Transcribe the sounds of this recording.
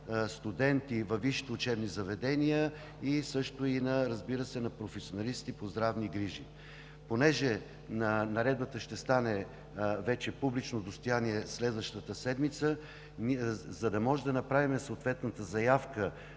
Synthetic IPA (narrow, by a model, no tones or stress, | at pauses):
st̪ud̪ɛnt̪ivɐvːiʃi̥t̪ɛʊt͡ʃɛbnizɐvɛd̪ɛnijə | isɤʃt̪ʊinɐɾɐzbiɾəsɛnɐpɾofɛsionɐlist̪ipozd̪ɾavniɡɾiʒi | ponɛʒɛ | nɐnɐɾɛd̪bət̪əʃt̪ɛst̪anɛ | vɛt͡ʃɛpublit͡ʃnod̪ost̪ojaniɛslɛd̪vəʃt̪ət̪əsɛd̪mit̪sə | zɐd̪ɐmɔʒɛd̪ɐnɐpɾavimɛsoot̪vɛt̪nət̪əzɐjafkə